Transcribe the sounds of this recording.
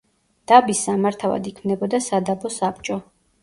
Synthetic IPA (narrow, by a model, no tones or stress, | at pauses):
d̪̥abisːamaɾt̪ʰava̰d̪ikʰmnɛbɔd̪asad̪abɔsap̚t͡ʃʼɔ